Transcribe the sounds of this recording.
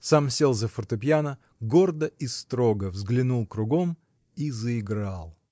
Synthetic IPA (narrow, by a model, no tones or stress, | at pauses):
samsʲelˠzəfərt̪ɨpʲjanə | ɡo̞rd̪əist̪ɾo̞ɡəvzɡlʲɪnulˠkɾʊɡo̞m | izəɪɡɾalˠ